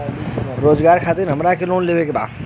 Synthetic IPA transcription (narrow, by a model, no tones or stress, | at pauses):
ɾoːd͡ʒɡaːɾkʰaːt̪iɾɦəmɾakeloːnleːbekeba̰ːd̪